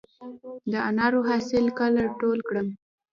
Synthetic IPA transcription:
d̪əanɑɾoɦɑsɪlkalaʈolkɽəm

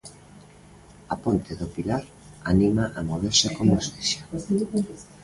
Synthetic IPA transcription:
apont̪eðopilaɾ | animaʔamoβeɾsɪkomesteʃḁ

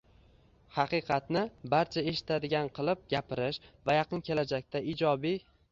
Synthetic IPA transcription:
hɑqɨqʰɑt̪nɪbaɾt͡ʃʰae̞ʃɪ̥t̪ʰad̪ɪɡʲanqʰɨlˠɪp̚ɡʲapɪɾɪʃvajɑqʰɨnkʲʰe̞lad͡ʒak̚ʲt̪ʰaid͡ʒɒbi

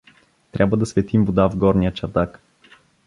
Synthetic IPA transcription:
t̪ɾʲʔabvəd̪ɐsvɛt̪imvod̪avɡɔɾnijət͡ʃɐɾd̪ak

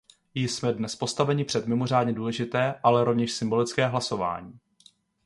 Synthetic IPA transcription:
jɪsmɛdnɛspo̞st̪avɛɲɪpr̝̥ɛt̪mɪmo̞r̝aːdɲɛduːlɛʒɪt̪ɛːʔalɛɾo̞vɲɛʃsɪmbo̞lɪt͡skɛːɦlaso̞va̰ːɲiː

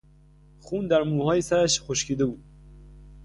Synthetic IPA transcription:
xuːnd̪æɾmuːhɒːjesæɾæʃxoʃcʰiːd̪e̞buːd̪̚

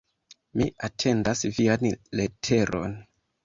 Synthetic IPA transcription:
miʔatʰe̞ndasvianle̞tʰe̞ɾʔo̞̰n

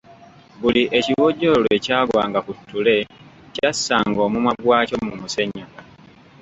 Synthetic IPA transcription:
buliʔeciwoɟːoloecaːɡwaːŋɡakutːule̞ | casːaːŋɡo̞ːmumaɡwaːcomumuseɲːa

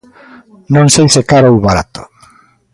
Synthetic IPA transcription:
nõŋsejsekaɾowβaɾat̪o̥

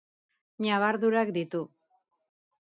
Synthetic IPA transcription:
ɲaβaɾðuɾakd̪it̪u

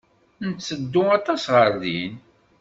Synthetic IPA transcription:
nt̪səd̪ːʊɑt̪ˤɑsʁəɾðin

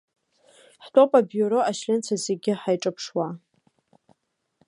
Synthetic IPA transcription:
ħtʰʼo̞pʼabjuɾoʔaʃlʲɪnt͡sʰazeɡʲɪħajʈ͡ʂʼɨpʰʂwa

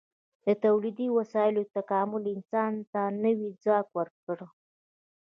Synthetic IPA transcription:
d̪ət̪awlid̪iwasɑjɪlot̪akɑmʊlɪnsɑnt̪anəwid͡zɑkwəɾkəɽə

